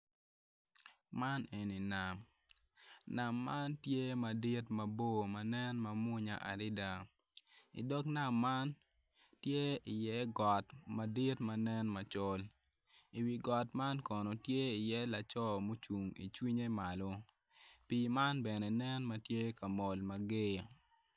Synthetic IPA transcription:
ma˦ne˨ni˨na˨m | na˨mːa˦ntje˦ma˨di˦tma˨bo˦ma˨nɛ˦nma˨mʊ˦ɲa̰˨ʔa̰˨ɾɪ˦da˨ | ḭ˨dɔ˦kna˦˨mːa˦n | tje˦i˨jɛ˦ɡɔ˨tma˨di˦tma˨nɛ˦nma˨t͡ʃɔ˦l | i˨wi˨ɡɔ˨tma˦nkɔ˨no˨tje˦i˨jɛ˦la˨t͡ʃɔ˦mo˦t͡ʃu˨ŋḭ˨t͡ʃwi˦ɲe˦ma˨lo˦ | pi˨ma˦nbɛ˨nɛ˨nɛ˦nma˨tje˦ka˨mɔ˨lma˨ɡe˦˨

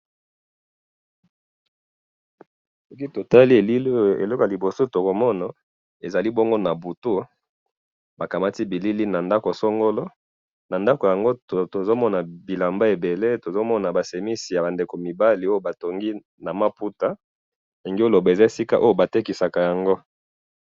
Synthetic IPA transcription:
sɔ˦ki˦to˨ta˦li˦e˨li˦lḛ˨lɔ˦ko˨a˨i˨bo˨so˦˨to˨ko˨mɔ˦na˨ | e˨za˨li˦bɔ˦ŋɡo˦na˨bu˨tu˦ | ba˨ka˨ma˦ti˦bi˨li˦li˦na˨nda˦ko˨so˦ŋɡo˦lo˦ | na˨nda˦ko˨ja˨ŋɡo˦to˨zo˦mɔ˦na˨bi˨la˨mba˦e˨be˨le˦to˨zo˦mɔ˦na˨ba˨se˨mi˦si˨ja˨ba˨nde˨ko˨mi˨ba˦li˨˦o˦jo˦ba˨to˨ŋɡi˦ | na˨ma˦pu˦ta˦ | e˨ŋɡi˦o˦lo˨ba˨e˨za˦e˨si˦ka˦ʔo˦jo˦ba˨te˦ki˨sa˨ka˨ja˨ŋɡo˦

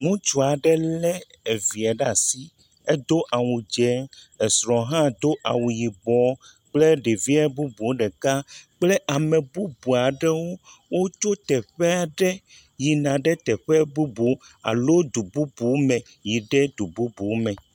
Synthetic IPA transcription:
ŋũ˦t͡ʃo˨a˨ɖɛ˦lɛ˦ | e˨vi˨a˨ɖa˦˨si˦ | e˦d̪o˦ʔa˨wu˨d͡ʒɛ˦ | e˨sɾɔ̃˨ɦã˦˨d̪o˦ʔa̰˨wu˨ji˨bɔ˨ | k͡ple˦ɖe˨vi˦ɛ˦bu˦bu˨˦ɖɛ˨ka˦k͡ple˦ʔa˨mɛ̃˨bu˦bu˨a˨ɖɛ˦wo˦wo˦t͡ʃo˦t̪ɛ˨ɸɛ˦a˨ɖɛ˦ | ji˨nã˨ɖɛ˦t̪ɛ˨ɸɛ˦bu˦bu˨˦a̰˨lo˦d̪u˨bu˦bu˨˦mɛ̃˨ | ji˨ɖɛ˦d̪u˨bu˦bu˨˦mɛ̃˨

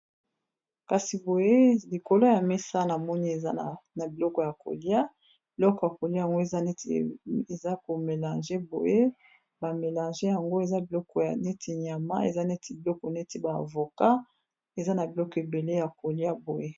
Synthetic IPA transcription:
ka˨si˨bo˨je˦li˨ko˨˦lo˦ja˨me˦sa˦na˨mɔ˦ni˦e˨a˦˨na˨bi˨lɔ˦kɔ˨ja˨kʰo̰˨li˦a˦ | b̥i˨lɔ˦kɔ˨ja˨ko˨li˦a˦ja˨ŋɡo˦e˨za˦n˦ | e˨za˦ko˨me˨lã˨ʒe˦bo̰˨je˦ | ba˨me˨lã˨ʒe˦ja˨ŋɡo˦e˨za˦bi˨lɔ˦kɔ˨ja˨ne˦tʰi˨ɲa˨ma̰˦e˨za˦ne˦tʰi˨bi˨lɔ˦kɔ˨ne˦ti˦ba̰ː˨vo˨ka˦ | e˨za˦na˨bi˨lɔ˦kɔ˨e˨be˨le˦ja˨ko˨li˦a˦bo˨je˦

